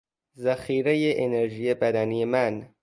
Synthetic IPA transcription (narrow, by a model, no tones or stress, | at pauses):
zæxiːɾejeʔeneɾʒijebæd̪æniemæn